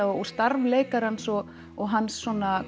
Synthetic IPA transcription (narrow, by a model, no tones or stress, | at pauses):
aɔɔst̪aɾvleːjkaɾhansɔ | ɔɦanːsːɔna